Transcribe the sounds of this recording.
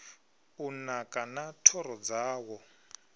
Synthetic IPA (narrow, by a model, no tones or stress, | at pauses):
unakʼanatʰɔɾɔd͡zaːwɔ